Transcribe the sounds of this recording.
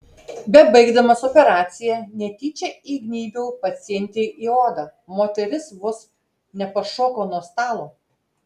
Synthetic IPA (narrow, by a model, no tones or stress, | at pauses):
bʲɛbɐɪɡd̪ɐmɐsɔpʲɛɾɑːt̪sʲɪjɛnʲɛt̪ʲiːt͡ʃʲɛiɡnʲiːbʲuːpɐt̪sʲɪɛnʲt̪ʲeːʔiːoːd̪ɐmoːt̪ʲɛɾʲɪsʋʊs | nʲɛpɐʃoːkoːnuɔst̪ɑːlˠoː